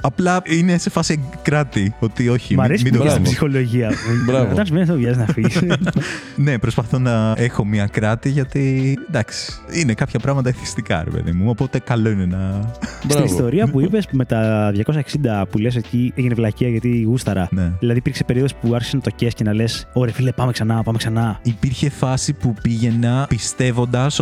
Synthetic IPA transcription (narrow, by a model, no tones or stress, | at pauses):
ɐplɐine̞se̞fɐsiekɾɐt̪io̞t̪io̞çimɐɾesimidd̪osipssixo̞lo̞ʝiɐɾɐvot̪ɐns̬menesðovʝɐziznɐfis | nepɾo̞spɐθo̞nɐe̞xo̞mɲɐkɾɐt̪iʝɐt̪id̪ɐksi̥inekɐpçɐpɾɐɣmɐt̪̬ɐiθist̪ikɐ̰ɾepḛðḭmuopot̪e̞kɐlo̞inenɐbsɾiist̪o̞ɾiɐpuipe̞sme̞t̪ɐðʝɐko̞s̬ɐeksind̪ɐpules̬ecieʝinevlɐciɐʝɐt̪iɣust̪ɐɾɐneðilɐðipiɾksepe̞ɾioðo̞spuɐɾçi̥senɐt̪o̞cescenɐle̞so̞ɾefilepɐmeksɐnɐpɐmeksɐnɐipiɾçe̞fɐsipupiʝe̞nɐpist̪e̞vo̞nd̪ɐs